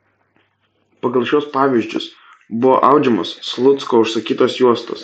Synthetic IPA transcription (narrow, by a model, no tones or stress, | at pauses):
pɐɡɐlˠʃʲuɔspɑːʋʲɪʒʲd͡ʒʲʊ̰s | bʊʋo̰ːʔɑˑʊd͡ʒʲɛmʊsslˠʊt̪skoːʊʃsɐkʲiːt̪oːsjuɔst̪o̰ːs